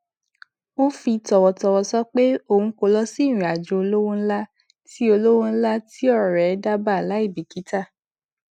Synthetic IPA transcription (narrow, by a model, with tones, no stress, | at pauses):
wo˦fi˧tɔ˨wɔ˨tɔ˨wɔ˧sɔ˦k͡pe˦o˦˨hũ˧˦ko˧lɔ˦si˦˨ɾ̃ĩ˨a˨d͡ʒo˨˧o˧lo˦wõ˦la˦ | ti˦o˧lo˦wõ˦la˦ti˦ɔ˦ɾɾɛ˨˦da˦ba˦˨la˨˦i˦˨bi˨ki˨˦ta˦˨